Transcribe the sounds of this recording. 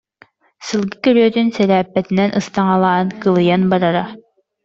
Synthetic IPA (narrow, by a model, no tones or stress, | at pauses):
sɯlˠɡɯkøɾøːt̪ynsɛɾæːpːɛt̪inɛnʔɯst̪ɑŋɑlˠɑːnkɯlˠɯjɑnbɑɾɑɾɑ